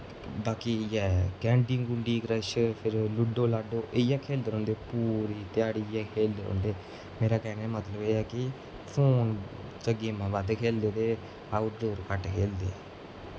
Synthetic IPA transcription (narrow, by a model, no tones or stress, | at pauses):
baːkiːjɛːkɛ̃ːɳɖiːŋɡũɳɖiːkɾəʃpʰɪɾlʊɖoːlaːɖoːʔeijɛːkʰeːld̪eːɾõːnd̪eːpuːɾiːt̪ɪjaːɽiːjɛːkʰeːld̪eːɾo̰ːnd̪eː | meːɾaːkɛːnɛːmət̪ləbeːɛːkɪ | pʰoːn | t͡ʃəɡeːmãːʋad̪kʰeːld̪eːt̪eː | aːʊʈdoːɾkəʈkʰeːld̪ḛːɛː